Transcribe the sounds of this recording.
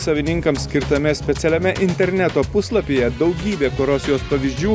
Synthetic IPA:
sɐʋʲɪnʲɪŋkɐmsʲkʲɪɾt̪ɐmʲɛsʲpʲɛt̪sʲɛlʲɛmʲɛʔɪnʲt̪ʲɛɾʲnʲæt̪oːpʊslˠɐpʲeːjɛd̪ɒʊɡʲiːbʲeːkoɾoːsjoːspɐʋʲiːzʲd͡ʒʲuː

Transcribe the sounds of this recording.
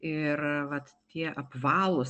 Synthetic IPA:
ɪrʋɐt̪ | t̪ʲiɛʔɐpʋɑːlˠʊs

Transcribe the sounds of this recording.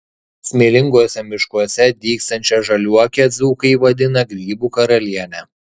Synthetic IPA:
sʲmʲeːlʲɪŋɡuɔsʲɛmʲɪʃkuɔsʲɛd̪ʲiːkst̪ɐnʲt͡ʃʲɛʒɐlʲuɔkʲɛd̪zuːkɐɪʋɐd̪ʲɪnɐɡɾʲiːbuːkɐɾɐlʲiɛnʲɛ

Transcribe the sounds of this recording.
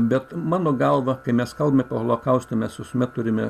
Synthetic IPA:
bʲɛt̪mɑːnoːɡɐlˠʋɐkɐɪmʲɛskɐlˠbɐmʲɛpʲeholˠoːkɐʊsʲt̪ʲomʲɛsʋʲɪsʊmʲɛt̪ʊɾʲɪmʲɛ

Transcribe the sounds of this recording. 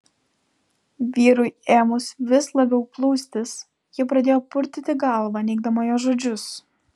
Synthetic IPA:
ʋʲiːɾʊɪeːmʊsʋʲɪslˠɐbʲɛʊplˠuːsʲt̪ʲɪs | jɪpɾɐd̪ʲeːjoːpʊɾʲt̪ʲɪt̪ʲɪɡɐlˠʋɑnʲɛɪɡ̚d̪ɐmɐjoːʒoːd͡ʒʲʊs

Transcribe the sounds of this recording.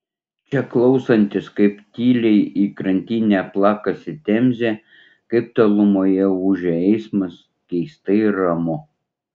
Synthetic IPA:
t͡ʃʲɛklˠɒʊsɐnʲt̪ʲɪskɐɪpt̪ʲiːlʲɛɪiːkɾɐnʲt̪ʲiːnʲæplˠɑːkɐsʲɪt̪ʲɛmʲzʲeː | kɐɪpt̪ɐlˠʊmoːjɛuːʒʲɛɛɪsmɐs | kʲɛɪst̪ɐɾɐmʊ

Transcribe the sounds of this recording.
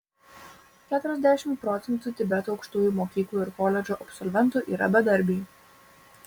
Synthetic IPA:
kʲæːt̪ʊɾʲɛzʲd̪ʲæʃʲɪmt̪̚pɾɔt̪sʲɛnt̪uːt̪ʲɪbʲɛt̪oːɒʊkʃt̪uːjuːˑmoːkʲiːklˠuːɪɾkɔːlʲɛd͡ʒoːʔɐpsɔlʲʋʲɛnt̪uːʔiːɾɐ̰bʲɛd̪ɐɾʲbʲiː

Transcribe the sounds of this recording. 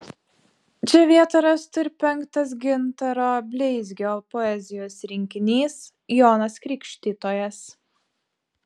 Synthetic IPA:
t͡ʃʲɛʋʲiɛt̪ɐɾɐst̪ʊɾʲpʲɛŋˑkt̪ɐs̬ɡʲɪnt̪ɐɾoːbʲlʲɛɪzʲɡʲoːpɔɛzʲɪjoːsɾʲɪŋʲkʲɪnʲiːs | joːnɐskɾʲiːkʲʃʲt̪ʲit̪oːjɛs

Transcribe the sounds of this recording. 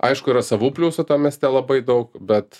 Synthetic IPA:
ʔɐɪʃkʊiɾɐsɐʋuːpʲlʲuːsɐt̪ɐmʲɛsʲt̪ʲɛlˠɐbɐɪd̪ɐʊkbʲɛt̪

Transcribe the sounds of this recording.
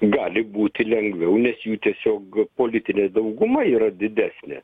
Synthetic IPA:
ɡɑːlʲɪbuːt̪ʲɪlʲɛŋɡʋʲɛʊnʲɛsjuːt̪ʲiɛsʲoːkpoːlʲɪt̪ʲɪnʲeːd̪ɐʊɡʊmɐiːɾɐd̪ʲɪd̪ʲæːsʲnʲḛ

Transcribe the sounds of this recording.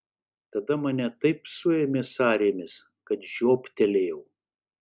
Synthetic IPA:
t̪ɐd̪ɐmɐnʲɛt̪ɐɪpsʊɛmʲeːsɑːɾʲeːmʲɪs | kɐt̪ʒʲoːpt̪ʲɛlʲeːjɛʊ

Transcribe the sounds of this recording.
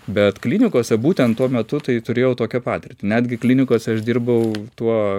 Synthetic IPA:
bʲɛt̪klʲiːnʲɪkuɔsʲɛbuːt̪ʲɛnt̪t̪ːuɔmʲɛt̪ʊt̪ɐɪt̪ʊɾʲeːjɛʊt̪oːkʲɛpɑːt̪ʲɪrʲt̪ʲɪnʲæːd̪ʲɡʲɪklʲinʲɪkuɔsʲɛɐʃd̪ʲirbɐʊt̪uɔ

